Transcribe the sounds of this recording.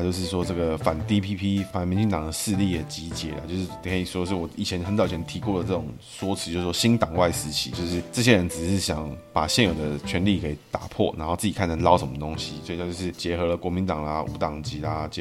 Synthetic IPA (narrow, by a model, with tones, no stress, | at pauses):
t͡ɕjo˥˧ʊʂ̬ɻ̩˥˩ʂ̬wɔ˥ʈ͡ʂɤ˥˩ɡə˩fa˨˩nt̪i˦pʰi˥pʰi˥fa˨˩nmi˧˥nt͡ɕi˥˩t̪ɑ˨˩ŋd̪ə˦ʂɻ̩˥˧li˥˩ə˩t͡ɕi˧˥t͡ɕjɛ̰˨˩la̰˧˦t͡ɕjʊʂɻ̩˥t̪ʰi˧˥ɛ˥˩i˨˩wɔ˥˧ʂ̬ɻ̩˥˩wɔ˨˩i˨˩jɛ˧˦nxə˧˥nt͡sɑ˨˩ʊt͡ɕʰɛ˧˥nt̪ʰi˧˥ko˥˩d̪ə˩ʈ͡ʂɤ˥˩ʈ͡ʂʊ˨˩ŋ | swɔ˥t͡s̩ʰ˧jo˥˧ʂ̩˥˩ʂwɔ˥ɕi˥nt̪ɑ˨˩ŋwa˥˩ɪsɹ̩˧˥t͡ɕʰḭ˨˦t͡ɕjo˥˧ʊʂɻ̩˥˩ʈ͡ʂɤ˥˩ɕ̬je˥ɻə˧˦nt͡sɻ̩˨˩ʂɻ̩˥˩ɕjɑ˨˧˥ŋpa˨˩ɕjɛ˥˨njo˨˩ʊd̪ə˦t͡ɕʰɥɛ˧˥nli˥˩kʰe˧˥i˨˩t̪a̰˨˩pʰwɔ̰˥˩na̰˧˥nxo˥˧t͡s̩˥˩i˨kʰa˥˩nt͡sʰə˧˥nlɑ˥ʊʂə˧˦nmə˩t̪o˥ŋɕi˦swɔ˥˩˨a˥˧t͡ɕjʊʂɻ̩˥˩t͡ɕjɛ˧˥xɤ˧˥˦lə˧kwɔ˧˥mi˧˥nt̪ɑ˨˩ŋla˦ṵ˧˥t̪ɑ˨˩ŋt͡ɕi˧˥la˧t͡ɕ